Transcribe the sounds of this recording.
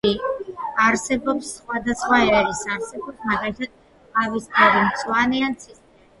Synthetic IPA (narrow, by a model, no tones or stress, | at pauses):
iaɾsɛbɔpsːχwad̪asχwaɛɾisaɾsɛbɔpsmaɡalit̪ʰad̪̥̚ | t̪ʰavist̪ʰaɾimt̪sʰʼwanɛansʰist̪ʼɛ